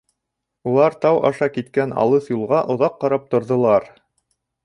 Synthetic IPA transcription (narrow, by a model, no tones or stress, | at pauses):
ulˠɑɾt̪ɑwʔɑ̰ʃɑkit̪kænɑ̰lˠɤθjulˠʁɑʔŏðɑqːɑɾɑp̚t̪ŏɾðŏlˠɑɾ